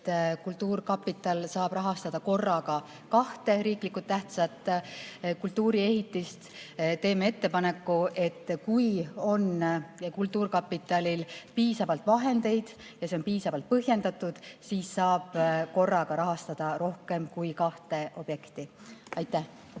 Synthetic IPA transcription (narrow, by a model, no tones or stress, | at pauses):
kult̪ːˑuːrkɑpːit̪ːˑɑlsɑːb̥rɑɦɑst̪ɑd̪̥ɑko̞rːɑɡ̥ɑ | kɑht̪e̞ɾiːklikːˑut̪ːæht̪sɑt̪ːˑ | kult̪ːuːɾie̞ɦit̪ːˑist̪t̪e̞ːmee̞t̪ːe̞pɑne̞kːuʔe̞t̪ːkujo̞nkult̪ːuːrkɑpːˑit̪ːˑɑlʲilpiːsɑvɑlt̪vɑɦe̞nd̪e̞jd̪̥ | jɑseo̞npiːsɑvɑlt̪̚pɤɦje̞nd̪̥ɑt̪ːˑud̪̥siːsːɑːb̥ko̞rːɑɡ̥ɑɾɑɦɑst̪ɑd̪̥ɑɾo̞hke̞mkujkɑht̪e̞ʔo̞b̥je̞kt̪i | ɑjt̪ːˑæh